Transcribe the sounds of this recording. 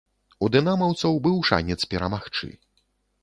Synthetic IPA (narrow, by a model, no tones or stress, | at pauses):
ud̪ɨnamɐwt̪sɐwbɨwʂa̰nʲɛt̪spʲɛɾɐmaxt͡ʂɨ̰